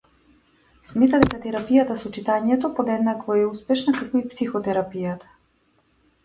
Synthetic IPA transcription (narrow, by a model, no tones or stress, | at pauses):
smɛt̪ad̪ɛkat̪ɛɾapijat̪asɔt͡ʃit̪aɲɛt̪ɔpod̪ɛd̪nakvɔɛuspɛʃnakakɔipsixɔt̪ɛɾapijat̪ḁ